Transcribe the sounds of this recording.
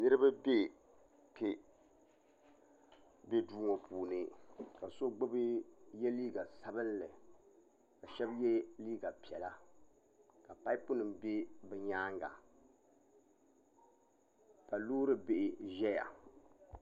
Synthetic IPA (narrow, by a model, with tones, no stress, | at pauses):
nɨ˦ɾɨ˦ba˦be˦˨ | pe˦ | be˦duː˦ŋo˨puː˨nɨ˨ka˨so˦ɡ͡bʊ˦bɨ˦jɛ˦liː˦ɡa˨sa˦bɨ˦nlɨ˨ | ka˨ʃɛ˦bjɛ˦liː˦ɡa˨pi˨ɛ˨la˦ | ka˨pa˦ɪ˦pʊ˦nɨ˨mbe˦bɛ˨ɲaː˦ŋɡa̰˨ | ka˨luː˦ɾɨ˦bɪ˨ʔɪ˨ʒɛ˦ja̰˨